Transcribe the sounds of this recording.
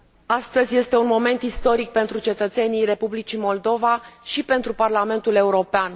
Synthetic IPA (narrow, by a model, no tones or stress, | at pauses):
ast̪əzʲje̞st̪e̞unmo̞me̞nt̪ist̪o̞ɾik̚pe̞nt̪ɾut͡ʃe̞t̪ət̪se̞nijre̞publit͡ʃimo̞ld̪o̞vaʃipe̞nt̪ɾuparlame̞nt̪ule̞uɾo̞pean